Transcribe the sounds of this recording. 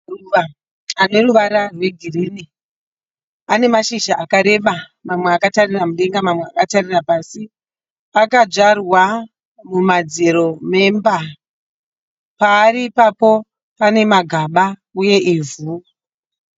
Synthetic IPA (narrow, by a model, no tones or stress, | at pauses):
ruʋa | ane̞ruʋaɾarwe̞ɡʱiriːni | ane̞maʃiʒaʔakaɾe̞ɓa | mamweakatariramuɗe̞ŋɡamamweakatarirapasi | akad͡ʒarwa | mumad͡zeɾo̞me̞mba | paːɾipapo̞ | pane̞maɡʱaɓauje̞ʔivu